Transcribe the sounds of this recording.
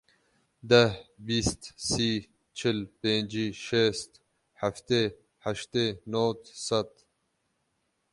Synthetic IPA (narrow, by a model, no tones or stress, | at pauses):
d̪ɐhbiːst̪siː | t͡ʃʰilpẽːnd͡ʑiʃeːst̪ | haft̪e | haʃt̪enoːt̪sɐt̪